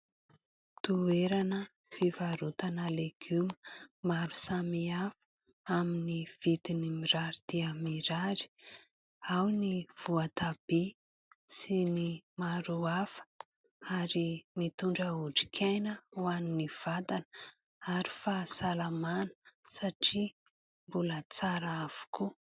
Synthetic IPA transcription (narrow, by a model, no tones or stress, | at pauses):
t̪ueɾanə | fivaɾut̪anəleɡ̥uməmaɾu̥samiafu̥ | aminiv̥it̪inimiɾaɾid̪̥iəmiɾaɾi̥ | awniv̥uat̪ab̥i | sinimaɾuafə̥ | aɾimit̪uɳɖ͡ʐəuʈ͡ʂi̥kʲʰajnəuaniniv̥at̪an | aɾifasalamanə̥saʈ͡ʂi | mbulət͡saɾaav̥u̥kʰu